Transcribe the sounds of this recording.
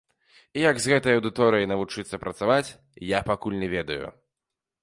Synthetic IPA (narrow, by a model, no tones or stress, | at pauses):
ijɐɡzɣɛt̪ɐjɐwd̪ɨt̪ɔɾɨjɐjnɐvut͡ʂɨt̪sːɐpɾɐt̪savat͡sʲ | japakulʲnʲɛvʲɛd̪ɐjṵ